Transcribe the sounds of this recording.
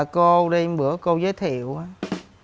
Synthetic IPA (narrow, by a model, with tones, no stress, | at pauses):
ko˧ɗi˧jɓɨ˧˥əko˧wzəː˨˦jt̪ʰḭ˧˨əwʔaː˨˦